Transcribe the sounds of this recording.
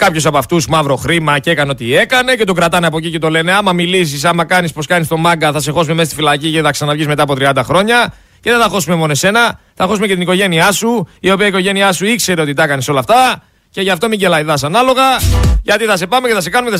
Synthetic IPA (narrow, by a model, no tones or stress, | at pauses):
kɐpço̞sɐpɐft̪usmɐvɾo̞xɾimɐcee̞kɐneo̞t̪ie̞kɐne̞ce̞t̪o̞ɡɾɐt̪ɐneɐpo̞cice̞t̪o̞le̞ne̞ɐmɐmilis̬is̬ɐmɐkɐnispo̞skɐnist̪o̞mɐŋɡɐθɐse̞xo̞sume̞mest̪ifilɐciceθɐksɐnɐvʝizmeɐːpo̞t̪ɾiɐnd̪ɐxɾo̞ɲɐ | ce̞ðet̪ɐxo̞sume̞mo̞noe̞se̞nɐ | θɐxo̞s̬ume̞cet̪iniko̞ʝe̞niɐsuio̞piɐiko̞ʝe̞niɐsuikse̞ɾe̞ot̪it̪ɐkɐneso̞lɐft̪ɐ | ce̞ʝɐft̪o̞miɲɟe̞lɐiðɐs̬ɐnɐlo̞ɣɐʝɐt̪iθɐse̞pɐmeceθɐse̞kɐnumeθ